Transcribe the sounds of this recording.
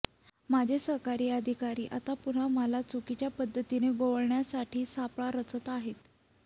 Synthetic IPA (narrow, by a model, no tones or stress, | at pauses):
mad͡ʑʱesəɦkaɾiːəd̪ʱikaɾiːʔa̰t̪apun̤aməlat͡sukit͡ɕjapəd̪ʱːət̪ineɡoʋəɭɳjasaʈʰiːsapɭaɾət͡sət̪aɦet̪